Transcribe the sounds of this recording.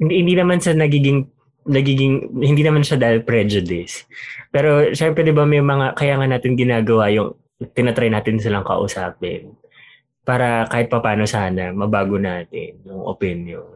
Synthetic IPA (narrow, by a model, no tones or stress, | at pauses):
hɪnd̪hɪnd̪iːnɐmanʃɐnɐɡiːɡɪŋ | nɐɡiːɡɪŋhɪnd̪iːnɐmanʃad̪aʔɪlpɾɛd͡ʒʊd̪ɪspɛːɾo̞ʃɛmpɾɛd̪ɪbamɛjmɐŋakɐjaːŋɐnaːt̪ɪnɡɪnaːɡɐwajʊŋ | t̪ɪnɐt̪ɾajnaːt̪ɪnsɪlɐŋkɐ̰ʔʊ̰saːpɛ̰n | paːɾɐkaːhɪt̪̚pɐpaːno̞saːnɐmɐbaːɡonaːt̪ɪ̰njʊŋʔo̰pinjon